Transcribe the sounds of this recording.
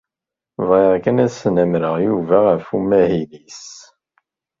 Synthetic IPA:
vʁeʁkənæsənæmɾəʁjuvæʁəfumːæhilis

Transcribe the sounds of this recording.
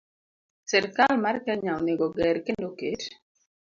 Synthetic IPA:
sɛrkalmarkɛɲaoneɡɔɡɛɾkendoket

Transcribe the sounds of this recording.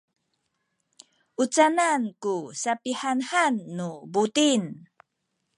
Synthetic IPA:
ʔut͡sanankusapihanhanːubutin

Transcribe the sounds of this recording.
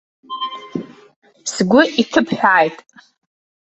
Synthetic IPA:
sɡʷʊʔitʰɨpʰħᶣʷaːjtʼ

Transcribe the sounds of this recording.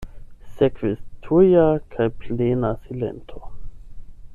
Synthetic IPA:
sekvestʰujakʰajplenasile̞̰ntʰo

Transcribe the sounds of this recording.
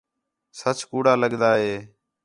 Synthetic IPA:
sət͡ʃkuːɽaːləɠd̪aːɦeː

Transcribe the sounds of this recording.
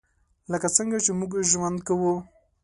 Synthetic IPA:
ləkat͡səŋɡat͡ʃemuɡʒwand̪̚kawu

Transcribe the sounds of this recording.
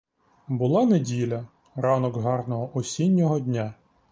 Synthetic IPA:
bʊlˠɑnedʲilʲɐ | ɾɑnɔɡɦɑrnɔɦɔʔɔsʲinʲːɔɦɔdʲnʲa

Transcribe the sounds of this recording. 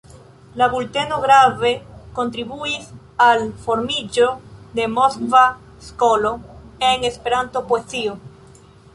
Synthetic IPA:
laβult̪e̞noɣɾave̞ko̞nt̪ɾiβuis | alfo̞ɾmid͡ʒo̞d̪e̞moskva | skoloeŋespe̞ɾant̪o̞poesio

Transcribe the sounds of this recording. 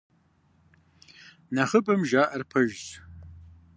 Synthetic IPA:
nɐχəpʼɐmʒaːʔɐrpʰɐʒz

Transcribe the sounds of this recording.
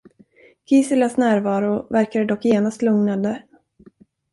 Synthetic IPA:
ɡ̥ʰiːsɪlasnæːɾvɑːɾʊvæɾkad̪əd̪ɔkːjeːnast̪lɵŋnad̪ə

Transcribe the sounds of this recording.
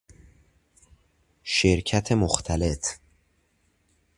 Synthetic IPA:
ʃeɾcʰæt̪ʰemoxt̪ʰæle̞t̪ʰ

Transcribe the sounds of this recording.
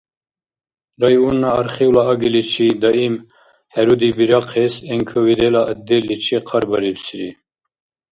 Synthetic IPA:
ɾajunːaːɾχiwlaːɡilit͡ʃʰid̪aim | hɛɾud̪ibiɾɑqʰeseŋkʰəwid̪elaʔːd̪elːit͡ʃʰiqʰɑɾbɐɾibsiɾi

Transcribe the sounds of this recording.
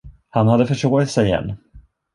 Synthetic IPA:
hanhad̪ːəfœʂoːɾɪt̪sɛjɛ̰nː

